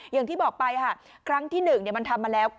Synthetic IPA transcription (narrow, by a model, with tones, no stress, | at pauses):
jaː˨˩t̪ʰiː˥˩bɔː˨˩k̚pa˧jkʰa˥˩ | kʰɾa˦˥ŋt̪ʰiː˥˩nɯ˨˩ŋni˥˩əma˧nt̪ʰa˧mːaː˧lɛː˦˥w